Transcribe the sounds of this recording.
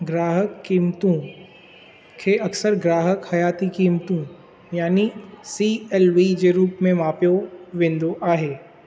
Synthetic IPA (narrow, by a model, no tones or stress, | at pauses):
ɡɾaːɦəkːiːmt̪ũ | kʰeʔɐksəɾɡɾaːɦəkhɐjaːt̪ikiːmt̪ũ | jaːnisieːlʋid͡ʑeɾuːpmẽmaːpjoʋẽːn̆d̪oʔaːɦeː